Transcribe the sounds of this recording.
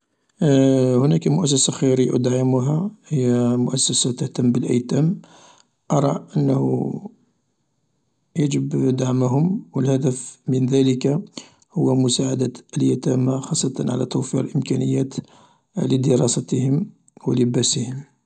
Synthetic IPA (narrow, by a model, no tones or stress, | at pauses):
hʊnækamʊʔæs̬ːæsaxiɾəjʔd̪aʕəmuɦæhəjːæmʊʔæsːæsat̪əht̪əmːbəlʔə̰jt̪æm | ʔɑɾˤɑʔənːhu | jəd͡ʒəbd̪aʕməɦʊmwəlhæd̪əfmənðæləka | hʊwːæmʊsaʕad̪aʔəljæt̪æmaxɑsˤːɑt̪ˤɑnʕa̰læ̰t̪uwfiɾəlʔəmkænəjːæt̪ | ləd̪əɾˤɑsæt̪əhəm | wələbæsəhəm